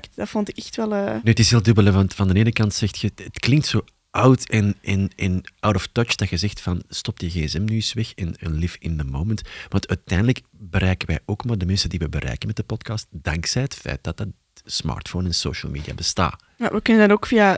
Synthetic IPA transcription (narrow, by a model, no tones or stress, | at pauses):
kdɑtfɔntɪkɛxtʋɛlˠənyːətɪsɦɪːlˠdɵbələvɑntfɑndəneːnəkɑntsɛxtxəətklɪŋk̚tsoː | ʔɑwtɛnʔɪnʔɪnʔɑwdɔftɔt͡ʃd̥ɑxəzɛxtfɑnstɔp̚dəɣeːɛsɛmnysʋɛxɛnənlɪfɪndəmoːməntʋɑntœːtɛjndələk | bəɾɛjkəʋɛjʔoːkmaːrdəmɛnsəndiʋəbəɾʔɛ̰jkənmɛt̚dəpɔtkɑst̚d̥ɑŋksɛjətfɛ̰jt̚d̥ɑt̚d̚ɑ | smɑ̰ːrtfonɛnso̰ːʃə̰lˠmiːdia̰ːbəsta̰ː | ma̰ʋəkʏnəndɑnokfia